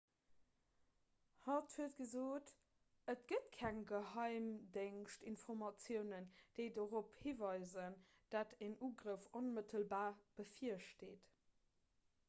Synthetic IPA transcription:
hɑthuət̚ɡ̥əzoːt | ətɡ̥ətkʰæŋɡəɦɑɪmdeŋʃtinfɔʁmɑt͡sjəʊnənd̥eɪdəʁophiːvɑɪzən | d̥atʰæŋuːɡʁəfonmətʰəlbaːb̥əfiəʃteːt

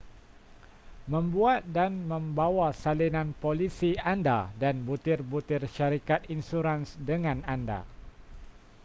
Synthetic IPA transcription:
mə̃mbuat̪̚danmə̃mbawasalinanpolisianda̰danbut̪ɪrbut̪ɪrʃaɾikat̪insuɾansdəŋãnanda̰

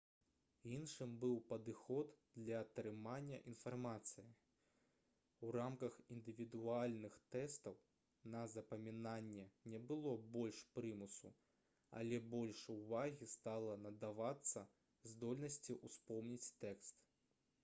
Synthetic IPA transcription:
inʂɨmbɨwpɐd̪ɨxɔd̪d̪lʲɐt̪ɾɨmanʲːɐʔinfarmat̪sɨji | uramkɐxind̪ɨvʲid̪ualʲnɨxt̪ɛst̪ɐw | nɐzɐpɐmʲinanʲːɛnʲɛbɨlˠɔbɔlʲʂpɾɨmusṵ | ɐ̰lʲɛbɔlʲʂuvaɣʲist̪alˠɐnɐd̪avat̪sːɐ | zd̪ɔlʲnɐsʲt͡sʲiʔuspɔmnʲit͡sʲt̪ɛkst̪

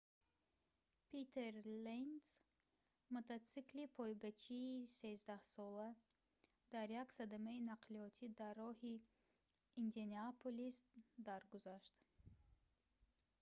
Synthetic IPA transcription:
pʰit̪ʰeɾlens | mot̪ʰat͡siklipʰɔjɡat͡ʃʰiːse̞zd̪ahsɔla | d̪̥aɾjaksad̪amainaqliɔt̪ʰid̪arːɔhi | ind̪eniapʰolist̪d̪aɾɡuzaʃt̪

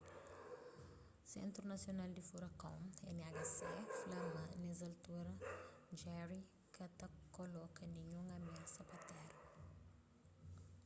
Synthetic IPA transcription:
sḛ̃nt̪ɾunɐsjonald̪ifuɾɐkɐ̃w̃ɛɲaɡɐsɛflɐmɐ̃nezɐlt̪uɾɐd͡ʒɛɾi | kɐt̪ɐkolɔkɐniɲũŋɐmelsɐpɐt̪ɛɾu

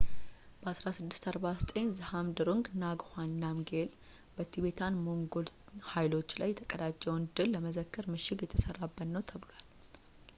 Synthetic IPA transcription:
b̥əasɾasɨd̪ːɨ̥st̪ʰaɾbasət̪ʼeɲzɨhamd̪ɨɾuŋɡnaɡhanːamɡel | b̥ət̪ʰibe̞t̪ʰanmo̞ŋɡo̞lhajlo̞t͡ʃːlajːɛt̪ʰəkʼəd̪at͡ʃʼːɛwnd̪ɨlːəməzəkːəɾmɨʃɪɡjɛt̪ʰəsərːabːət̪nːəwt̪ʰəβlwal

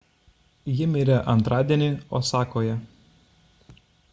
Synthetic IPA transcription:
jɪmʲɪɾʲɛʔɐnt̪ɾɑːd̪ʲiɛnʲɪoːsɑːkoːjɛ

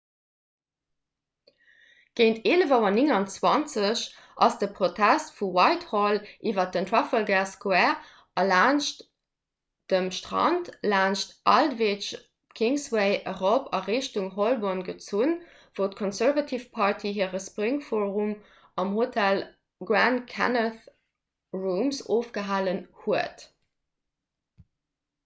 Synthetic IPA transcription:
ɡ̥eɪntʰeːləvɑwɐnɪŋɑnt͡swɑnt͡səɕ | ʔɑsd̥əpʁotʰæstfuwɑɪtholʔiːvɐt̚əntʰɹɑfəlɡæskwæ | ɑlaːnʃt | d̥əmʃtʁɑ̰ntlaːnʃtʔɑldveːʃ | tkʰiŋsweɪʔəʁopɑʁeːʃtuŋɦolbonɡət͡sun | v̥oʊtkʰɔnsæʁvɑtʰifpʰɑɹtʰiɦiːʁəspʁiŋfoːʁum | ɑmɦotʰæl | ɡɹæntkʰæ̰nəθ | ʁumsoːfɡ̥əɦaːlənhuət

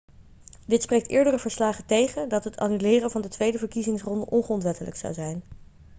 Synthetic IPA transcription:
dɪtsprejk̚tɪːɹdərəvəɹslaːχətejχəndɑtɦətʰa̰nylɪːrənvɑndətʋejdəvəɹkizɪŋsrɔndəʔɔnχəɔntʋɛtələ̰ksɑ̰wzɛjn

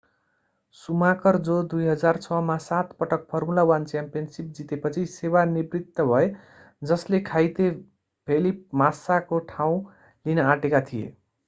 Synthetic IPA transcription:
sumakʌrd͡zod̪ujɦʌd͡zart͡sʰʌmasat̪pʌʈʌk̚pʰʌrmulawant͡sjampijʌnsip̚d͡zit̪epʌt͡sʰisewanibrit̪ːʌbʱʌe | d͡zʌslekʰajt̪e | pʰelip̚masakoʈʰaw̃ | linʌaʈekat̪ʰijḛ

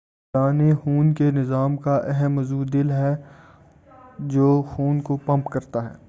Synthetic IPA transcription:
aːnexuːnkenɪzaːmkaʔɛɦɛmːɐzuːd̪ɪlɦɛ | d͡ʒoːxuːnkopɐ̃mpkɐɾt̪aɦɛ̰ː

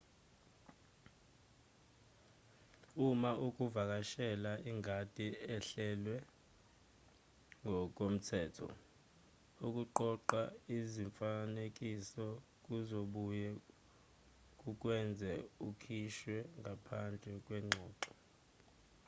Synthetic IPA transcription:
umaʔuk̬ʼuvak̬ʼaʃɛlaʔiŋʱad̥ʱiɛɬɛlwɛ | ŋʱɔk̬ʼom̩tʰɛːtʰɔ̰ | uk̬ʼuǃɔǃaiziɱfanek̬ʼisɔ | k̬ʼuzoɓujɛ | k̬ʼuk̬ʼwɛnd͡zʱɛukʰiʃwɛŋapʰand͡ɮʱɛk̬ʼwɛŋ͡ǀʱɔːǃɔ

